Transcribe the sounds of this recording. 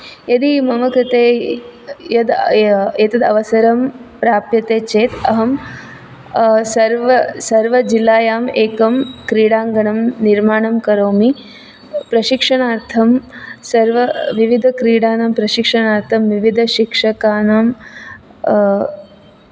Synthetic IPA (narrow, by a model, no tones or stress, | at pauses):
jɐd̪imɐmɐkɾɪt̪eː | jɐd̪et̪ɐd̪ɐʋɐsɐɾɐmpɾaːpjɐt̪eːt͡ʃeːt̪ɐɦɐm | sɐɾʋɐsɐɾʋɐd͡ʒilːaːjaːmeːkɐmkɾiːɽaːŋɡɐɳɐmniɾmaːɳɐmkɐɾoːmi | pɾɐʃikʂɐɳaːɾt̪ʰɐmsɐɾʋɐʋiʋid̪ʱɐkɾiːɽaːnaːmpɾɐʃikʂɐɳaːɾt̪ʰɐmʋiʋid̪ʱɐʃikʂɐkaːnam